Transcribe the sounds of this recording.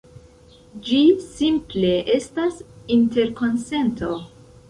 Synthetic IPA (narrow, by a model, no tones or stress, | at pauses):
d͡ʒisimple̞ʔe̞stasinte̞ɾko̞nse̞nto̞